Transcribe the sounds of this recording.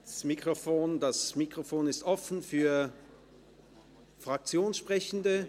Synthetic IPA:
smikʁ̥ofoːndasmikʁ̥ofoːnɪstʔɔfn̩fyːɐ | fʁ̥ak̚t͡sjoːnsʃpʁ̥ɛçn̩də

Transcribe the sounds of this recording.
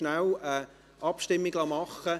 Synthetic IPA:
nawə | ʔɑpʃtɪmːiɡlɑmɑχə

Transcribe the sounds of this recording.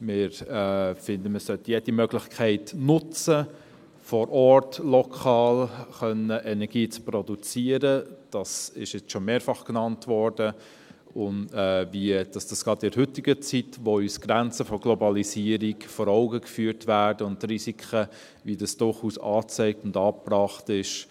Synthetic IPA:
mɪɾɛfɪndəməsœtəjed̥imœɡlɪçkʰχɛɪtnʊt͡sə | fɔɾʔɔrtlɔkʰɑːlχœnəʔɛnɛɾɡ̥iːt͡sprɔdut͡siːəɾəd̥ɑsɪʃjɪt͡sʃomeːɾfɑχknɑntvɔɾd̥ə | ʊnɛːviəd̥ɑsd̥ɑsɡ̥ɑdɪdhʏtɪɡət͡sitʋoysɡ̥ɾænt͡səfɔɡ̥lɔbɑlisiəɾiɡfɔːɾɔʊɡəkfyːɾtʋæːɾdəʊntːrisikʰχə | ʋidɑsd̥ʊrχuːsɑːt͡sɛɪk̚tʊndɑːprɑːχtɪʃ

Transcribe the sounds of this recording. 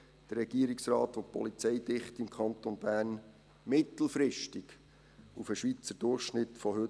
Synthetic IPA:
d̪̥ərːɛɡ̥iəɾiksrɑːtʋopɔ̰lit͡sɛjdɪχtimkʰɑnt̪onb̥æːrn | mɪt̪l̩ˠfɾɪʃtiɡ | ufəʃʋit͡səd̥ʊrχʃnɪtfɔhɵ

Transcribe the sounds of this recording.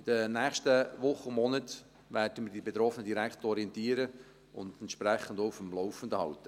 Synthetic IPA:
ɪd̥ənæːχʃtəʋʊχːəmːɔnət | ʋæːrd̥əmədibet̪ɾɔfənədiɾækχtɔɾiɛntiəɾə | ʊ̰nd̪ɛnt̪ʃpɾɛχːəndowfəmlɔwfən̩dəhɑltːə

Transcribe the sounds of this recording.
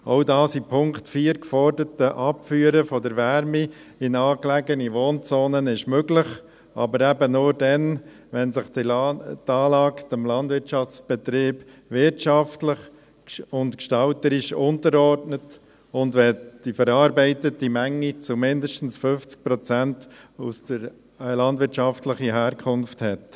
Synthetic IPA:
oʊdɑːsipʰʊŋktfiːəɾkfɔɾdətəʔɑpfyːəɾəfɔdəɾʋɛɾmiɪnɑːklæɡəniʋoːnt͡soːnənɪʃmøɡlɪχ | ʔɑ̰bəɾɛbənʊːɾdɛn | ʋɛnsɪχditɑːlɑːktəmlɑndvɪɾt͡ʃɑft͡sb̥ɛt̪ɾiːb̥ | ʋɪɾtʃɑftləχ | ʊntkʃtɑltəɾɪʃʊntəɾɔɾdnət | ʊndʋɛd̥ifəɾɑːɾbɛɪtətːimæŋːit͡sumɪndəʃtn̩sfʏft͡sk̚pɾɔt͡sæntusdəɾ | lɑndʋɪɾt͡ʃɑftləχiɦæːɾkʰʊnfthɛt

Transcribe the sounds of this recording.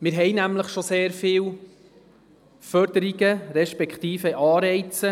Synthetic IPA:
mɪɾɦɛjnæmləχʃoseːɾfɪːw | fœɾd̥̪əɾiɡəɾɛʃpɛkχt̪iːfəʔɑːɾɛɪt͡sə

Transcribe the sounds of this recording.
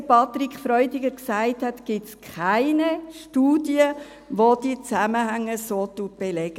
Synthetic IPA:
pʰɑtɾikχfɾɔʏdɪɡəɾksaɪthɛtɡ̥ɪtskʰχaɪnəʃtuːdjə | ʋod̥it͡sæməhæŋːəsoːtut̚b̥elɛɡ̥ə

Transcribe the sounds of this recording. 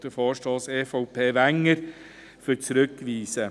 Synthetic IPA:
d̥̪əfɔːɾʃtɑːseːfɔʊpʰeːʋæŋəɾ | fʏɾt͡sɾɵkːʋiːsə

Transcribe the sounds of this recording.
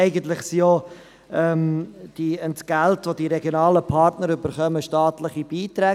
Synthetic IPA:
ɛɪɡən̩tlɪχsio | ɛmd̥iəntɡ̥æltʋodiɾɛɡjonɑːləpʰɑɾtnəɾʏbəɾχœməʃtɑːtlɪχib̥iːt̪ɾɛː

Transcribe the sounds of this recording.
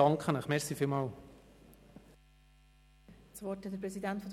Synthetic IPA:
ɑŋkχənəχmɛɾχsifiːlmɑːl | t͡svɔthɛt̚dəɾpɾɛsidæntfɔd̪

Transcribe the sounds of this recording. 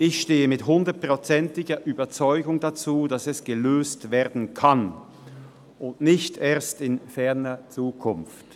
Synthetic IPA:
ʔɪçʃteːəmɪtɦʊndɐtpʁ̥ot͡sɛntɪɡɐʔyːbɐt͡sɔʏɡʊŋdat͡suːdasɛsɡ̥əløːstv̥eːɐdn̩kʰan | ʊntnɪçtʔeːɐstɪnfɛɐnɐt͡suːkʰʊnft

